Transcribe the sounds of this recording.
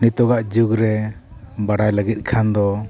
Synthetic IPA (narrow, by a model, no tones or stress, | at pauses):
nit̪ɔɡaʔd͡ʒuɡɾɛ | baɽajləɡit̪̚kʰand̪ɔ